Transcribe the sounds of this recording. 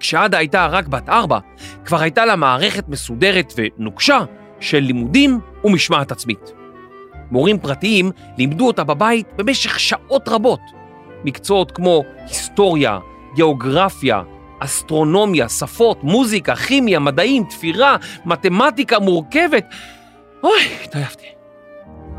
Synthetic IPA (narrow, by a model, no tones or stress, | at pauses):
kʃeadaːjtaʁakbataʁba̰ | kvaʁhajtalamaːʁe̞χe̞tme̞sude̞ʁe̞tve̞nuɡʃa | ʃe̞lːimudimumiʃmaatat͡smit | mo̞ʁimpʁatiim | limduo̞tababaitbe̞me̞ʃe̞χʃaʔo̞tʁabo̞t | mikt͡sootkmo̞histo̞ʁja̰ | ɡe̞oɡʁafja̰ | ʔːst̪ʁo̞no̞mjasafo̞tmuzikaχimjamadaimt̪fiʁamate̞matikamuʁke̞ve̞t | ojtajaft̪i̥